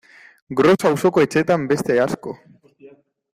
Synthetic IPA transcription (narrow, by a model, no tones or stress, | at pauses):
ɡɾo̞sauso̞koe̞t͡ʃet̪ambe̞st̪e̞asko̞